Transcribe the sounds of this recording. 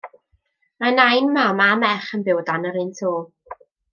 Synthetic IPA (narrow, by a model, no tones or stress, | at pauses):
manajnmamamɛχənbɪwdanəɾɨntʰoː